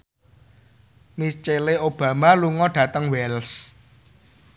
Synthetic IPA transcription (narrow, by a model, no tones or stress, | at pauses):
mist͡ʃeleob̥ä̤maluŋɔɖ̥ä̤t̪əŋwɛls